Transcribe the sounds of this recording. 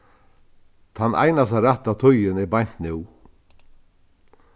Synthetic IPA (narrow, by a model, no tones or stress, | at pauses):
t̪ʰanːʔa̰jnas̬aɾaht̪at̪ʰʊjɪnɛɾbajn̥t̪nɪw